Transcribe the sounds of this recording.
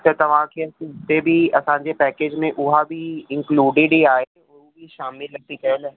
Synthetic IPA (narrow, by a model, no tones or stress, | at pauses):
t̪et̪ɐʋãːkʰeɐsɪt̪ebʱiɐsãːd͡ʒepɛːkeːd͡ʒmẽʔʊɦabʱiɪ̃ŋkluːɖɪɖiaːe | ɔːɾobʱiʃaːmɪlːɐɡ̚t̪ikɛlɛ